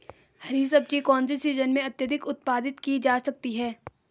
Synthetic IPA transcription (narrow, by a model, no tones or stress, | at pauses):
hɐɾis̬ɐb̚t͡ʃikɔ̃ːnsisiːzənmẽɐt̪jəd̪ʱɪkʊt̪̚paːd̪ɪt̪kid͡ʒaːsɐk̚t̪iɦɛː